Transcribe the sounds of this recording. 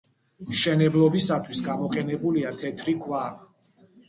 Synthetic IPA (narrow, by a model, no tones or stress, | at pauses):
ʃɛnɛblˠɔbisat̪ʰwisɡamɔqʼɛnɛbuliat̪ʰɛt̪ʰɾikʰwa